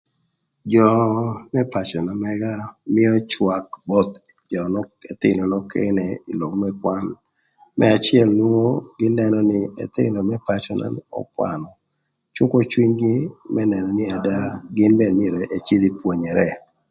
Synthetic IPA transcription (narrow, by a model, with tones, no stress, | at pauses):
d͡ʒɔ˨mɛ˦pa˨t͡ʃɔ˨na˨mɛ˦ɡa˦mɪ˦ɔ˦t͡ʃwa˨kbɔ˦t̪ | d͡ʒɔ˨nɔ˦e˨t̪ɪ̰˦nɔ˨nɔ˦kʰḛ˦nɛ˨i˨lo˨kmɛ˦kwa˦n | mʔɛ˦a˨t͡ʃɪɛ˦˨lnwo˦ŋo˦ɡ̥ɪ˦nːɛ˨nɔ˦nɪ˦ɛ̰˨t̪ɪ̰˦nɔ˨mɛ˦pa˦t͡ʃɔ˨na̰˨nɔ̰˦kwa̰˨nɔ˨ | t͡ʃʊ˦ko˦t͡ʃwi˦ɲɡɪ˦mɛ˦nɛ˨nɔ˨nɪ˦a˨da˦ɡɪ˦nbɛ˨mɪ˦e˨ɾe˨ʔe˨t͡ʃi˦d̪i˦pwo˨ɲɛ˨ɾɛ˨